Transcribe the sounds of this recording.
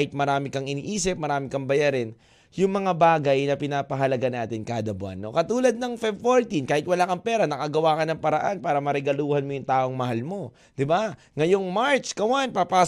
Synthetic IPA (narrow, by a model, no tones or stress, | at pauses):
hɪt̪̚mɐɾaːmɪkɐŋɪnḭːʔiːsɪp̚mɐɾaːmɪkɐŋbɐjaɾɪn | jʊŋmɐŋabaːɡɐjnɐpɪnaːpɐɦɐlɐɡanaːt̪ɪnkaːd̪ɐbʊa̰nːo̞̰kɐt̪uːlɐd̪̚nɐŋfabfoɹt̪inkaːhɪt̪̚wɐlaːkɐŋpɛːɾɐnɐkaɡɐwaːkɐnɐŋpɐɾɐʔanpaːɾɐmɐɾɛɡɐluːhɐnmo̞jʊŋt̪aːʔo̞ŋmɐhalmo̞ | d̪̥ɪba | ŋɐjoŋmaɹt͡ʃkɐwanpapaː